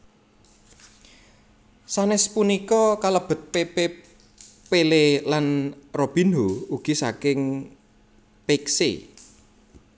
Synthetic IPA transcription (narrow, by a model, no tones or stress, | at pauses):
sanɪspunikɔkaləb̥ə̤t̪̚pepe | pelelanrob̥i̤nouɡ̥i̤sakɪŋ | peksḛ